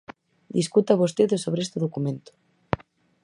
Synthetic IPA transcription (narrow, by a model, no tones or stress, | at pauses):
d̪iskut̪aβost̪eðosoβɾeest̪eðokumẽnt̪o̥